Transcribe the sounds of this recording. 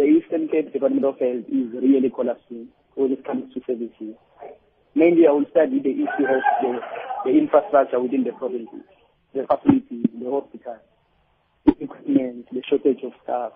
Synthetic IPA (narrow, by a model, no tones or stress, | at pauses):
d̪əistɛnkʰed̚dipʰatmɛ̃ntɔfɛldizrialikʰɔlapsiŋ | wɛniskʰamztʰusɛvisiz | mẽndiawilstadid̪ɛʔisuhɛsdɛdɛinfrastrak̚t͡ʃʰawiθind̪əpʰrɔvĩnsḭz̥ | dɛfʰasilitʰizdɛhɔspitʰal | d̪ɛʔikʰwipmɛntʰdɛʃɔtʰed͡ʒɔfstaf